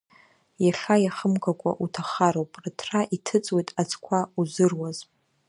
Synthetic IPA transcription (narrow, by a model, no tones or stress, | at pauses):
jaɬajaχəmkʷʰakʷʼa̰ʔutʰaχaɾowpʼrɨtʰraʔitʰɨt͡sʼwejtʼat͡sʰʼkʷʰauzɨrwaz̥